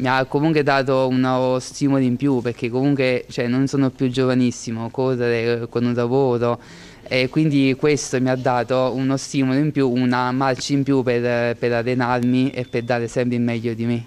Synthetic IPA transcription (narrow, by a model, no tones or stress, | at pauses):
miakːomuŋkwed̪aːt̪̬ounost̪iːmoliimpjuperk̟ːekːomuŋkwet͡ʃoɛnːonsoːnopjud͡ʒːovanisːimokoreɾekonulavoːɾo | ekːwind̪ikwest̪omiad̪ːaːt̪ounost̪iːmoloimpjuːnamart͡ʃaimpjuperpeɾarːenarmiepːerd̪aːɾesɛmpɾeimːɛʎːod̪ime